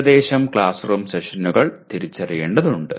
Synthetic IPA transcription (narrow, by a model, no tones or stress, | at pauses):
d̪e̞ːɕɐmkɭaːsroːmseʂɐnːuɣɐɭt̪iɾit͡ɕːɐrijeːɳɖɐðuɳɖɨ